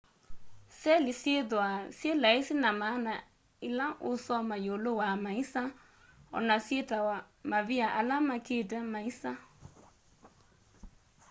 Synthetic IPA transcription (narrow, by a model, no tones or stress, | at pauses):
sɛlisiedʊasielaisinamana | ilãŋʔʊsɔmajolowamaisa | ɔ̰nasetawa | maviaʔalamakedɛmaisa